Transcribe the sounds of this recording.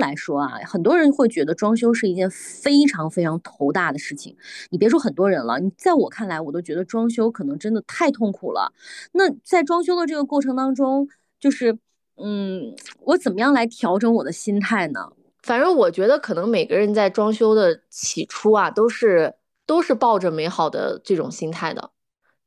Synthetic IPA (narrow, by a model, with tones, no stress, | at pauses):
la˧˥ɪʂwɔ˥ɐ̰˩xə˨˩nt̪̬wɔ˥ɻə˧˥nxwe˥˩ɪt͡ɕɥɛ˧˥d̪ə˧ʈ͡ʂwɑ˥ŋɕ̬jo˥ʊʂɻ̩˥˩i˧˥t͡ɕjɛ˥˩nfe˥ɪʈ͡ʂʰɑ˧˥ŋfe˥ɪʈ͡ʂʰɑ˧˥ŋt̪ʰo˧˥ʊt̪a˥˩d̪ə˩ʂɻ̩˥˩t͡ɕʰḭ˩ŋni˨˩pjɛ˧˥ʂ̬wɔ˥xə˨˩nt̪wɔ˥ɻə˧˥nlə̰˧ni˨˩t͡sa˥˩ɪwɔ˨˩kʰa˥˩nla˧˥ɪwɔ˨˩t̪o˥ʊt͡ɕɥɛ˧˥d̪ə˧ʈ͡ʂwɑ˥ŋɕ̬jo˥ʊkʰɤ˨˩nɤ˧˥ŋʈ͡ʂə˥nd̪ə˨t̪ʰa˥˧ɪt̪ʰʊ˥˩ŋkʰṵ˨˩lə̰˦na˥˩t͡sa˥˩ɪʈ͡ʂwɑ˥ŋɕ̬jo˥ʊd̪ə˨˧ʈ͡ʂɤ˥˩ɡə˩kwɔ˥˩ʈ͡ʂʰɤ˧˥ŋt̪ɑ˥ŋʈ͡ʂʊ˥ŋ | t͡ɕjo˥˧ʊʂɻ̩˥˩ | n̩˥˩wɔ˧˥t͡sə˨˩mə˦jɑ˥˩ŋla˧˥ɪt̪ʰjɑ˧˥ʊʈ͡ʂɤ˧˥wɔ˨˩d̪ə˦ɕi˥nt̪ʰa˥˩ɪnə̰˩ | fa˨˩nə˧˥wɔ˨˩t͡ɕɥɛ˧˥d̪ə˧kʰɤ˨˩nɤ˧˥ŋme˨˩ɪɡə˦ɻə˧˥nt͡sa˥˩ɪʈ͡ʂwɑ˥ŋɕjo˥ʊd̪ə˨t͡ɕʰi˨˩ʈ͡ʂʰu˥a˨t̪o˥ʊʂɻ̩˥˩ | t̪o˥ʊʂɻ̩˥˧pɑ˥˩ʊʈ͡ʂə˩me˧˥ɪxɑ˨˩ʊd̪ə̰˦ʈ͡ʂɤ˥˩ʈ͡ʂʊ˨˩ŋɕi˥nt̪ʰa˥˩ɪd̪ə̰˩